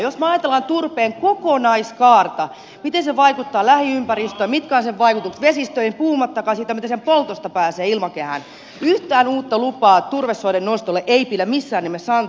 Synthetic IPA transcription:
josmɑjɑt̪elːˑɑnt̪urpeːŋkokonɑiskɑːrt̪ɑ | mit̪enseʋɑikut̪ːɑːlæhiympæɾist̪øːmit̪kæːnseʋʋɑikut̪uksʋesist̪øinpuːumɑt̪ːɑkɑsiːt̪æmit̪ensempolt̪ost̪ɑpæːseːilmɑkehæ̰n | yht̪æːnuːt̪ːɑlupɑːt̪urʋesːodennost̪olːeʔeipilæmisːæːnemːesɑn

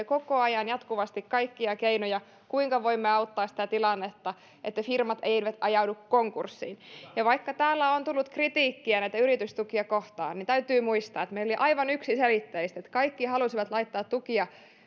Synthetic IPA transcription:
ekokoɑjɑnjɑt̪kuʋɑst̪ikkɑikːiɑkeinojɑ | kuiŋkɑʋoimːeɑut̪ːɑːsi̥t̪æt̪ilɑnːet̪ːɑ | ʔet̪ːefirmɑt̪eʋæt̪ɑjɑudukkoŋkursːḭnjɑʋɑikːɑt̪æːlːæont̪ulːut̪krit̪iːkːiænæijt̪æyɾit̪yst̪ukiɑkoht̪ɑ̰ːnːint̪æyt̪yːmuist̪ɑ̰ːet̪meiloliʔɑiʋɑnyksiselit̪ːeist̪et̪kɑikːihɑlusiʋɑt̪lɑit̪ːɑːt̪tukiɑ

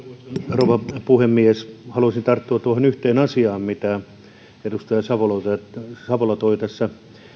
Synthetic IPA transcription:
rouʋɑpuhemːieshɑluɑsint̪ɑrt̪ːuɑt̪uohonyht̪eːnɑsiɑːmmit̪æ | edust̪ɑjɑsɑʋolɑt̪æsɑʋolɑt̪oit̪æsːæ

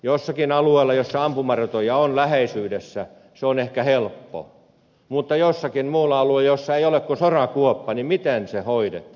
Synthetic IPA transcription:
josːɑkinɑlueilːˑɑjosːɑɑmpumɑrt̪ojɑonlæheisyːdesːæ | seonehkæhelpːo̰ | mut̪ːɑjosːɑkinmuːlːɑɑluejosːɑeijolekkusorɑkuopːɑnimit̪ensehoidḛt̪ː

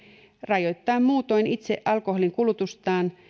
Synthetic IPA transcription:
rɑjo̞t̪ːɑːmmuːt̪o̞init̪seʔɑlko̞holiŋkulut̪ust̪ɑːn

